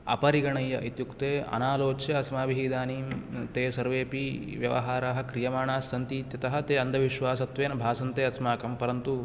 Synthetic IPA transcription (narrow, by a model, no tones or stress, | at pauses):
ɐ̰pɐɾiɡɐɳɐjːɐʔit̪jukt̪eːɐ̰naːloːt͡ʃjɐɐsmaːʋiɦid̪aːniːmt̪eːsɐɾʋeːpiʋjɐ̰ʋɐ̰ɦaːɾaɦɐ̆kɾijɐmaːɳaːsɐnt̪iːt̪jɐt̪ɐɦɐt̪eːɐnd̪ʱɐʋiʃʋaːsɐt̪ʋeːnɐbʱaːsɐnt̪eːɐsmaːkɐmpɐɾɐnt̪u